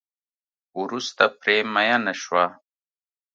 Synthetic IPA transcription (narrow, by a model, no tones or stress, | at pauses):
uɾust̪apɾeːmajanaʃwa